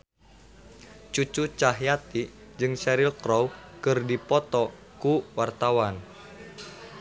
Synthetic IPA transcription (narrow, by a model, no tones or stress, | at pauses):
t͡ʃut͡ʃut͡ʃaɦjat̪i | d͡ʒɨŋsɛɾilkɾɔwkɨrdipɔt̪ɔ | kuwart̪awan